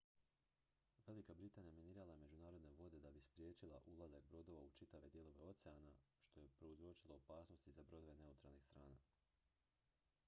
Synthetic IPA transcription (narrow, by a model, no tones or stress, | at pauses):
ʋe̞likabɾit̪aːnijameniːɾalˠame̞d͡ʒunaːɾo̞d̪ne̞ʋo̞d̪e̞d̪abispɾje̞ːt͡ʃilˠa̰ʔulˠazak̚bɾo̞d̪o̞ʋaut͡ʃit̪aʋe̞d̪je̞lˠo̞ʋe̞o̞t̪seanaʃt̪o̞je̞pɾo̞uzɾot͡ʃilˠo̞ːpaːsno̞st̪izabɾo̞d̪oʋene̞ut̪ɾa̰lˠnixst̪ɾaːna̰